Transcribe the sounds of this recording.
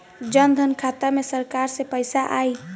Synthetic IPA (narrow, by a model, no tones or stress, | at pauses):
d͡ʒənd̪ʱənkʰat̪amesəɾkaɾsepəjsaʔai